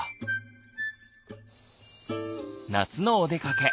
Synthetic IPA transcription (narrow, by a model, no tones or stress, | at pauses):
nat͡sɨnoːd̪e̞kake̞